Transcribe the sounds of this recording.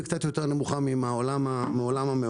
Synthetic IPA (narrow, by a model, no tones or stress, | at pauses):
kt͡sat̪joteʁnemuχamimaolamaolamame